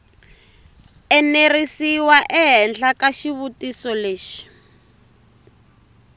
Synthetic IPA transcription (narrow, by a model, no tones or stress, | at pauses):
ɛnerisiwaʔɛɦɛnd͡ɮakaʃiβutisɔleːʃi̥